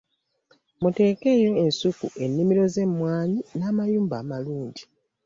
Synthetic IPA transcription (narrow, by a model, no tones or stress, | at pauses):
mute̞ːke̞ːjo̞e̞nsukuʔe̞nːimiɾo̞ze̞mːwaːɲinaːmajuːmbaːmaluːɲɟi